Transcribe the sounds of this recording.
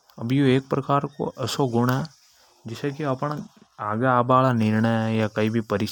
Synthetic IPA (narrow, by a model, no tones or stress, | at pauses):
ɐbjoeːk̚pɾɐkaːɾko̰ʔɐsoɡʊɽ̃ɛ | d͡ʒɪsekiɐpɽ̃aːɡeaːbaːlanɪɾɳəjakɐibʱipɐɾɪʃ